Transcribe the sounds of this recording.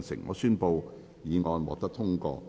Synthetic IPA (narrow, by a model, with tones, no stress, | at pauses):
nsɪ̰˨˩ŋːɔ̰ː˨˧syː˥npo˧w | jiː˨˧ŋɔː˧nwɔ̰ː˨k̚t̪ɐ˥t̪ʰʊ˥ŋkɔ̰ː˧